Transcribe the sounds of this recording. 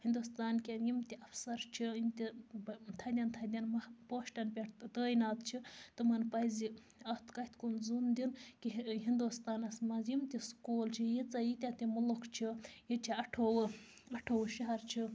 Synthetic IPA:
hind̪ust̪aːnkʲenjimt̪iʔɐfsɐɾt͡ʃʰijimt̪ʲit̪ʰɐd̪ʲɐnt̪ʰɐd̪ʲɐnmɐpoːʃʈɐnpʲeʈ̪t̪əːjnaːt̪t͡ʃʰit̪ɨmɐnpɐjzi | ɐt̪kɐht̪ʰkunzund̪inkiɦind̪ust̪aːnɐsmɐzjimt̪iskoːlt͡ʃʰijit͡sɐjit̪ʲat̪imulukt͡ʃʰijit͡ʃʰiɐʈʰoːwɨ | ɐʈʰoːwʃiɦɐɾt͡ʃʰi

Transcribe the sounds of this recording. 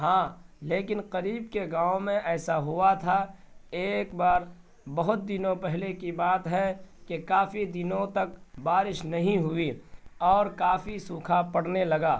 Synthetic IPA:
ɦãːleːkɪnqɐɾiːbkeɡãːomẽʔɛːsaɦʊat̪ʰa | eːkbaːɾ | bɐɦʊt̪̚d̪ɪnõpɛɦlekibaːt̪ɦɛkekaːfid̪ɪnõt̪ɐk̚baːɾɪʃnɐɦĩɦʊiɔːɾkaːfisuːkʰapɐɽnelɐɡaː

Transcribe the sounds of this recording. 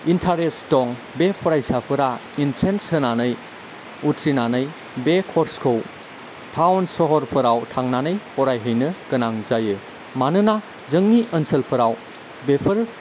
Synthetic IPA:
intʰaɾestɔŋ | bepʰɔɾajsapʰɯɾa | intʰɾenshɯnanɯj | utʰɾinanɯj | bekʰɔɾskʰow | tʰawnsɔɦɔɾpʰɯɾawtʰaŋnanɯjhɔɾajɦɯjnɯkɯnaŋzajɯ | manɯna | zəŋniʔənsəlpʰɯɾaw | bepʰəɾ

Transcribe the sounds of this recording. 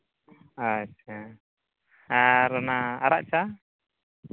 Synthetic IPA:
at͡ʃa | aɾɔnaːɾa̰ʔt͡ʃa

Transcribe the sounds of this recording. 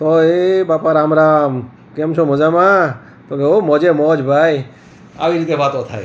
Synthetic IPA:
t̪oebaːpaɾaːmɾaːm | kemʃʰomozamaː | t̪oɡeomɔːd͡ʒemɔːd͡ʒbʱaːi | a̰ʋiɾit̪ebaːt̪ot̪ʰaːe

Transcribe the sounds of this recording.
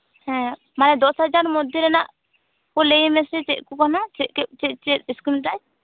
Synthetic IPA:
hɛ̃ | manɛd̪ɔshad͡ʒaɾmɔd̪ʱjɔɾɛnaʔ | kɔlejimɛsɛt͡ʃɛt̪̚kukanat͡ʃɛt̪̚kɛt͡ʃɛʔt͡ʃɛt̪̚iskɾimʈaj

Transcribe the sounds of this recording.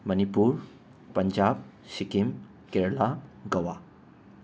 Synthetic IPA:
mənipuɾ | pəɲd͡ʑab̚ | ɕikim | keɾlaɡəʋa

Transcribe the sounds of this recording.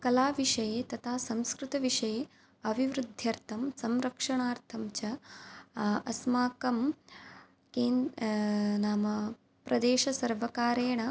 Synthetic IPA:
kɐlaːʋiʂɐjeːt̪ɐt̪ʰaːsɐmskɾut̪ɐʋiʂɐjeː | ɐʋʱiʋɾud̪ʱjɐɾt̪ʰɐmsɐmɾɐkʂɐɳaːɾt̪ʰɐmt͡ʃɐ | ɐsmaːkɐm | keːn | naːmɐ | pɾɐd̪eːʃɐsɐɾʋɐkaːɾeːɳɐ

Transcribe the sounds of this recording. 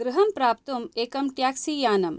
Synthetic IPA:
ɡɾuɦɐmpɾaːp̚t̪umeːkɐmʈjaːksijaːnɐm

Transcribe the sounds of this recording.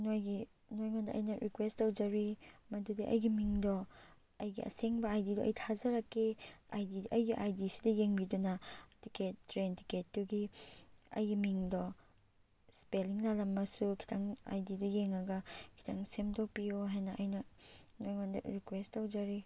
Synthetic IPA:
nojɡi | nojŋondɐʔɐ̰jnɐɾikwestawd͡ʒɐɾimɐdudiʔɐ̰jɡimiŋdɔ | ɐjɡḭɐ̰seŋbɐajdidɔʔɐ̰jtʰazɐɾɐkːeajdidʔɐjɡiʔajdisidɐjeŋbidunɐtiket̚ːɾenti̥ketːuɡi | ɐ̰jɡimiŋdɔ | speliŋlalɐmːɐsukʰi̥tʰaŋa̰jdidɔjeŋɐɡɐkʰi̥tʰaŋsemdɔpijoɦajnɐʔɐjnɐnojŋondɐ̰ɾikwestːawd͡ʒɐɾi

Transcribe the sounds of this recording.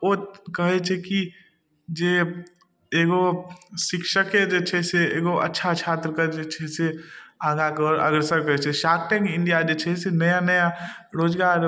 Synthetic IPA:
okəɦet͡ʃʰeki | d͡ʒe | eːɡosɪkʃəked͡ʒɛt͡ʃʰɛseeːɡoʔɐ̰tːʃʰat͡ʃʰaːt̪ɾəkad͡ʒet͡ʃʰɛseãːɡakɔɾɐ̰ɡɾsəɾkɐɦet͡ʃʰeʃaːk̚ʈɛ̃ːŋkɪ̃ɳɖijad͡ʒeːt͡ʃʰɛsenɐjanɐja | ɾoːd͡ʒɡaːɾ

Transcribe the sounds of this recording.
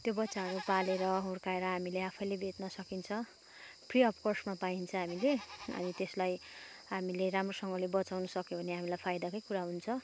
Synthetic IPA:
t̪jobʌtːsaɦʌɾupaleɾʌɦorkaeɾʌɦamileapʰʌjlebʱet̪nʌsʌkint͡sʰʌ | pʰriʌpʰkorsmapaint͡sʰʌɦamileʌ̰nit̪eslaj | ɦamileɾamrosʌŋɡʌlebʌt͡sawnʌsʌkjobʱʌneɦamilajpʰajd̪akʌjkuɾaɦunt͡sʰʌ

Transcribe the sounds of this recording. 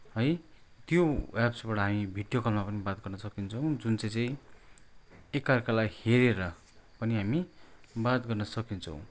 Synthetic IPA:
ɦʌj | t̪joapsbaɽʌɦamibʱiɽjokʌlmapʌnibat̪̚ɡʌrnʌsʌkint͡sʰʌw̃d͡zunt͡saj̃t͡saĩ | ekːarkalaiheɾeɾʌ | pʌniɦamibat̪ɡʌrnʌsʌkint͡sʰʌ̰w̃

